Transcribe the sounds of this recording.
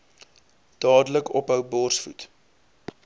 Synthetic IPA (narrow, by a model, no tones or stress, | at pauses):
d̥ɑːdələkɔpɦœwbɔrsfṵt